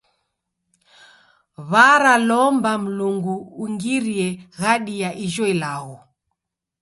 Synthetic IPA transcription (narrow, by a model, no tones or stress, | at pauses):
βaɾalɔmbam̩luŋɡuːŋɡiɾiɛɣaɗiaʔiʒɔilaɣɔ